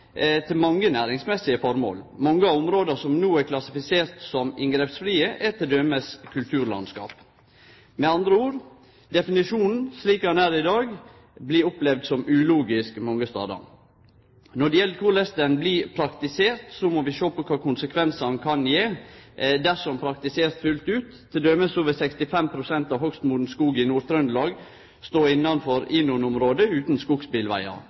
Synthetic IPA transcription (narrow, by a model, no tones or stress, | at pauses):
t̪ʰɪlmɑŋːənæːɾɪŋsmɛsːɪəfɔɾmo̰ːlmɔŋːəɑʊmɾoːd̪əsɔmnuːæɾkʰlɑsɪfɪseːɾt̪sɔmɪŋɡɾɛpsfɾiːəʔɛt̪ʰɪld̪œməskʰʉlt̪ʰʉːɾlɑ̰nskɑ̰ːp | mɛɑnd̪ɾəuːɾ | d̪ɛfɪnɪʂuːnn̩sliːkənæːɾɪd̪ɑːɡ | bliɾɔplɛʋd̪sɔmʉːluːɡɪskmɔŋːəst̪ɑ̰ːd̪ɑ̰n | nɔɖɛjɛlːəkʰʊɭɛst̪ənblipʰɾɑkt̪ɪseːɾt̪sɔmoʋɪʃoːpɔkʰʋɑːkʰʊnsəkʰʋɛnsɑɑnkʰɑnjeː | d̪æʂɔmpʰɾɑkt̪ɪseːst̪fʉlt̪ʉːt̪ʰːɪd̪øməsoːʋəsɛkst̪ɪfɛmpʰɾʊsɛnt̪ɑʋhœkst̪muːd̪n̩skuːɡɪnuːɾt̪ʰɾœnd̪lɑːɡ | st̪oːɪnːɑnfɔɾɪːnʊnʊmɾoːd̪əʉːt̪n̩skuɡspɪlʋæ̰ɪɑ̰